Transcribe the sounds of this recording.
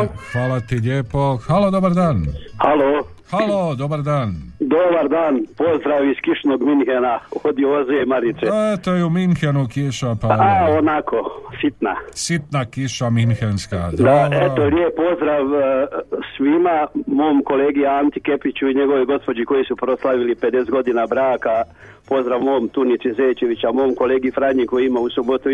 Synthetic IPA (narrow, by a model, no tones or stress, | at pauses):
xʋaːlat̪iʎʲeːpoxalo̞d̪obaɾd̪aːnhalo | xalod̪obaɾd̪aːnd̪obaɾd̪aːnpo̞zd̪ɾaʋiskiʃnoɡminhenaod̪iozemaɾit̪seet̪ojeuminxenukiʃapaaonakosit̪na̰sit̪nakiʃaminxenskad̪d̪aeoljepːo̞zd̪ɾaʋ | sʋimamo̞ːmko̞leːɡiaant̪ike̞pit͡ɕuiɲe̞ɡo̞ʋoɡo̞spo̞d͡ʑiko̞jisupɾo̞slˠaʋilipe̞d̪esɡo̞d̪inabɾaːka | po̞zɾaʋmo̞ːmt̪unit̪sizeːt͡ʃe̞ʋit͡ɕamo̞ːmko̞leːɡifɾaɲikojimausubot̪u